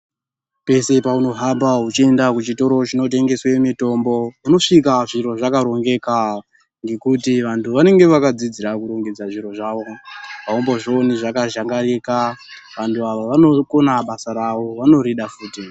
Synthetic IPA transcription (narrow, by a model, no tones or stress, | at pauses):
pe̞se̞pauno̞ɦambaɦut͡ʃie̞ndakut͡ʃito̞ɾo̞t͡ʃino̞te̞ŋɡe̞swe̞mito̞mbo̞uno̞ʂikaʐiɾo̞ʐakaɾo̞ŋɡe̞ka | ŋɡe̞kutiʋantʰuʋane̞ŋɡe̞ʋakad͡zid͡ziɾakuɾo̞ŋɡed͡zaʐiɾo̞ʐaːʋo̞paomboʐo̞niʐakaʒaŋɡaɾeka | ʋantʰuaʋoʋano̞ko̞naɓasaɾaʋo̞ʋano̞ɾiɗafuːti